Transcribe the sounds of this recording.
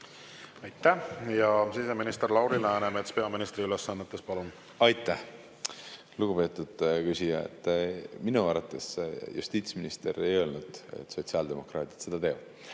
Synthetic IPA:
ɑjt̪ːˑæhjɑseseminist̪eɾlɑwɾilɑænemet̪spe̞ɑminist̪ɾiylesːɑnːet̪ːˑe̞spɑlun | ɑjt̪ːˑæh | luɡ̥upe̞ːt̪ːˑud̪̥kysʲijɑḛt̪ˑːminuɑɾɑt̪ːˑe̞sjṵst̪iːt̪sminist̪e̞ɾe̞jo̞lnud̪̥ḛt̪ːso̞t̪siɑld̪e̞mo̞krɑːt̪ʲi̥t̪se̞d̪̥ɑt̪e̞ːʋɑd̥̪

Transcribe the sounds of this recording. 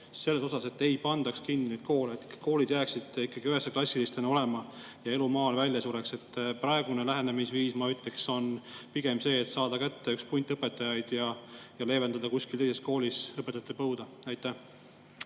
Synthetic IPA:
se̞lːe̞so̞sɑse̞t̪ːˑe̞jpɑnd̪ɑkskinːinejd̪̥̚ko̞ːleet̪ːˑkko̞ːlid̪jæːksid̪̥ikːˑɑɡ̥iyɦesːeklɑsʲilist̪eno̞le̞mɑ | jɑe̞lumɑːlvælʲjɑsuɾe̞kse̞t̪ːpɾɑe̞ɡ̥une̞læɦe̞ne̞misviːsmɑyt̪ːˑle̞kso̞npiɡ̥e̞mse̞ːt̪sɑːd̪̥ɑkæt̪ːe̞ykspunʲt̪ːˑɤpːˑe̞t̪ːˑɑjɑjd̪̥jɑjɑle̞ːve̞nɑd̪ɑkusʲkilt̪ejse̞sko̞ːlʲisɤpet̪ːˑɑt̪ːˑepɤwd̪̥ɑ | æjt̪ːˑæh

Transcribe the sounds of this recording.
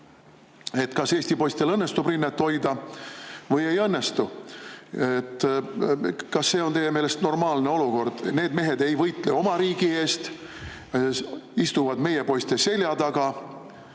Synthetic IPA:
e̞t̪ːkɑse̞ːsʲt̪ipo̞jst̪elɤnːest̪ubrinːet̪ːo̞jd̪ɑ | vɤje̞jɤnːest̪u | et̪ˑː | kɑsːe̞ːo̞nt̪e̞jemeːle̞st̪no̞rmɑːlne̞o̞luko̞rd̪̥ne̞ːd̪me̞ɦe̞d̪e̞jvɤjt̪ˑle̞o̞mɑɾiːɡ̥ie̞ːst̪ | ist̪uvɑd̪me̞jepo̞jst̪ese̞lʲjɑt̪ɑɡ̥ɑ

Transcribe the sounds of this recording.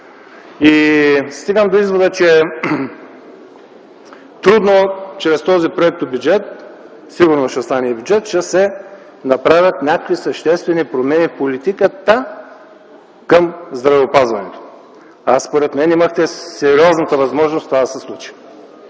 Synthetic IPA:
ist̪iɡəmd̪oizvod̪ət͡ʃɛ | t̪ɾud̪not͡ʃɾɛst̪ɔzipɾoɛk̚t̪obʲjud͡ʒɛt̪̚ | siɡʊɾnosʃɛst̪anɛibʲjuʊd͡ʒɛt̪ʃɛsɛ | nɐpɾavʲjɐt̪nʲakkvisɐʃt̪ɛst̪vɛnipɾomɛnifpolit̪ikət̪ə | kəmzd̪ɾɐvɛopazvɐnɛt̪o̥ | aspoɾɛt̪mɛniməxt̪ɛsɛɾiɔznət̪əvɐzmɔʒnost̪ovad̪ɐsɛslˠut͡ʃi̥

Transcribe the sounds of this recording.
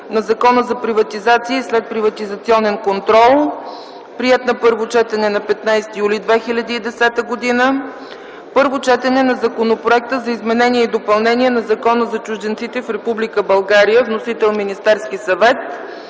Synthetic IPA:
nɐzɐkɔnəzɐpɾivɐt̪izat̪siːslɛt̪̚pɾivɐt̪izɐt̪siɔnɛnkont̪ɾɔlˠ | pɾiɛt̪nɐpɤɾvot͡ʃɛt̪ɛnɛnɐpɛt̪najst̪ijulid̪vɛxilʲɐd̪iːd̪ɛsɛt̪əɡod̪inə | pɤɾvot͡ʃɛt̪ɛnɛnɐzɐkonopɾoɛk̚t̪əzɐizmɛnɛniɛid̪opɐlˠnɛniɛnɐzɐkɔnəzɐt͡ʃʊʒd̪ɛnt̪sit̪ɛfɾɛpublikəbɐlˠɡaɾijəvnosit̪ɛlˠminist̪ɛɾskisɐvɛt̪

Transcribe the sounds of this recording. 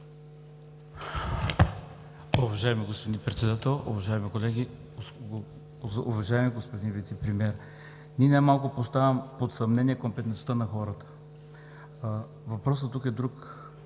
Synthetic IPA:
ʊvɐʒaɛmiɡospod̪ipɾɛt̪sɛd̪at̪ɛlˠʊ̰vɐʒaɛmikolɛɡʲi | uvɐʒaɛmiɡospod̪invit̪sɛpɾimiɛɾ | niɛnajmalˠkʊpost̪avʲɐmpot̪sɐmnɛniɛkompɛt̪nɛt̪ost̪ənɐxɔɾət̪ə̥ | vɐpɾɔs̬ət̪ːukɛd̪ɾuk

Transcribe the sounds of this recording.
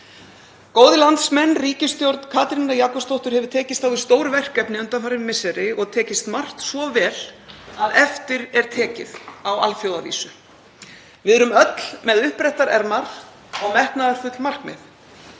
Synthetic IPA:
koːwðɪlant̪smɛnːriːcɪst̪jowɾt̪n̥kʰaːt̪ɾinajaːkɔpst̪owht̪ʏɾhɛvʏɾ̥t̪ʰɛːcɪst̪awvɪ̥st̪oːwɾvɛr̥kɛpnɪʏnt̪anfaɾɪmmɪsɛɾɪʔɔɣt̪ʰɛːcɪst̪mar̥t̪svɔvɛːl̥aðɛft̪ɪɾɛɾ̥t̪ʰɛːcɪ̰ðawa̰lfjowðavḭːsʏ | vɪðɛɾʏmœt̪l̥mɛðʏhpɾɛjht̪aɾɛɾmaɾ̥ | ɔɣmɛhknaðaɾ̥fʏt̪lmar̥kmɛ̰θ

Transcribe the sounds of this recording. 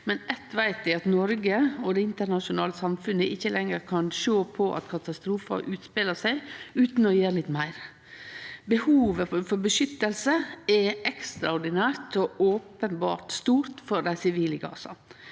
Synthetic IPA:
mɛnɛt̪ʋæɪt̪ʋɪɑt̪nɔɾɡəɔd̪ɛɪnt̪əɾnɑʃʊnɑːləsɑmfʉnəʔɪçːəlʔɛŋːəɾkʰɑnʃoːpʰɔʔɑ̰t̪kʰɑt̪ɑst̪ɾuːfɑ̰ɾʔʉːt̪speləsæɪʉːt̪nɔjeːɾlɪt̪ːmæɪɾ | bəhuːʋəfɔɾbəʃʏt̪ːəlsəɛɛkst̪ɾɑʊɾɖ̪ɪnæːɾt̪ɔʔoːpənbɑ̰ːɾt̪st̪uːɾt̪fɔɾd̪æɪsɪʋiːləɡɑ̰ːsɑ̰

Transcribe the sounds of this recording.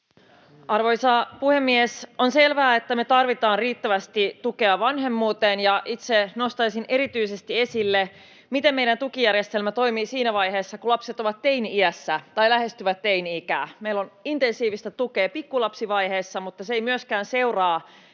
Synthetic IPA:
ɑrʋo̞jsɑpuhemːiesonse̞lʋæːet̪ːæmet̪ɑrʋit̪ɑːnriːt̪ːæʋæst̪it̪uke̞ɑʋɑnɦe̞mːuːt̪eːnjɑʔit̪seno̞st̪ɑjsinʔe̞ɾit̪yise̞st̪ie̞silːe | mit̪emmejɾænt̪ukijæɾjest̪e̞lmæt̪o̞jmiːsiːnæʋɑjɦeːsːɑkulɑpse̞t̪o̞ʋɑt̪ːejniiæsːæt̪ɑjlæɦe̞st̪yʋæt̪tːe̞iniikæ̰ːmeilːonint̪e̞nsiːʋist̪æt̪ukeːpikːulɑpsiʋɑjɦe̞ːsːɑmut̪ːɑseejmyøskæːnse̞urɑː

